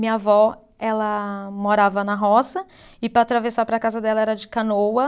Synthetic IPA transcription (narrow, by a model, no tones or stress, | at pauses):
mĩɲɐvɔ | ɛlɐmoɾavɐnɐɦɔsɐ | ɪpɾɐaːt̪ɾavesaɾpɾɐkazɐd̪ɛlɐɛɾɐd͡ʒɪkanowɐ